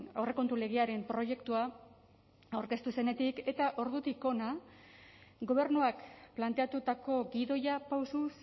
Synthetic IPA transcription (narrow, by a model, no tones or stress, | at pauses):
awre̞ko̞nt̪ule̞ɣ̞eaɾe̞mpɾo̞je̞kt̪ua | awɾke̞st̪use̞ne̞t̪ike̞t̪aʔo̞ɾðut̪iko̞na | ɡo̞β̞e̞ɾnuakplant̪e̞at̪ut̪ako̞ɡiðo̞japawsus